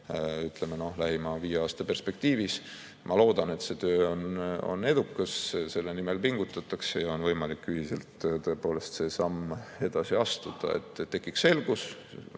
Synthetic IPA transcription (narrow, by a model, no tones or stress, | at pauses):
yt̪ˑle̞meno̞hlæɦimɑviːjeɑːst̪ɑpe̞rspe̞k̚t̪iːvis | mʔɑlo̞ːd̪̥ɑne̞t̪se̞t̪øːono̰ne̞d̪ukːˑɑsse̞lːe̞nime̞lpiŋɡ̥ut̪ːˑɑt̪ːˑɑksejɑo̞nvɤjmɑlikːyhise̞̰lt̪t̪ø̞epo̞ːle̞st̪se̞sɑme̞d̪̥ɑsiɑst̪ud̪̥ɑ̰e̞̰t̪ːˑt̪ːe̞kːˑikse̞lɡ̥us